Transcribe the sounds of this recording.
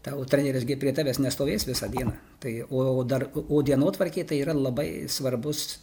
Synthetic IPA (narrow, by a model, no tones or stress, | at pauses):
t̪ɑot̪ʲɾʲɛnʲɛɾʲɪsɡʲɪpʲɾʲiɛt̪ɑːʋʲeːsnʲɛst̪oːʋʲeːsʋʲɪsɑd̪ʲiɛnɑː | t̪ɐɪoːoːd̪ɐroːd̪ʲiɛnoːt̪ʋɐrʲkʲeɪt̪ɐɪiːɾɐlˠɐbɐɪsʋɐrbʊs